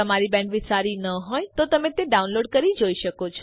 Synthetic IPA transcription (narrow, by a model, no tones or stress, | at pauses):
əmaɾibɛ̃ɳɖʋɪsaɾinəɦɔjt̪ot̪əmẽt̪eɖaunloɖkəɾid͡ʒoiʃəkot͡ʃʰɔ